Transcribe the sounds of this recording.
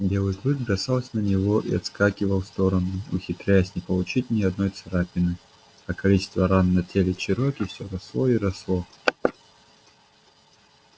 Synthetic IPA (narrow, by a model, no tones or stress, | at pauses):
bʲɛlˠɨklˠɨkbɾɐsaw̪ˠsʲɐnɐnʲivɔʔḭɐt̪skakʲivɐwst̪ɔɾɐnuṵxʲit̪ɾʲajɛsʲnʲɛpɐlˠut͡ɕitʲnʲiɐd̪nɔjt̪sɐɾapʲɪnɨ | ɐkɐlʲit͡ʃɪ̥st̪vɐɾanːɐtʲelʲɪt͡ʃɪɾɔkʲifsʲɔɾɐslˠɔiɾɐslˠɔ